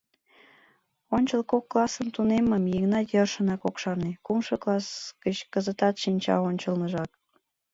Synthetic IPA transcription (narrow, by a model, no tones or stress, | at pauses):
onʲt͡ɕəlkokːlˠɑsəmt̪uneməmjiɣnɑjərʃənɑkokʃɑrnekumʃɤklˠɑsɡət͡ɕkəzət̪ɑt̪ʃinʲt͡ɕɑ̰onʲt͡ɕəlnəʒɑk̚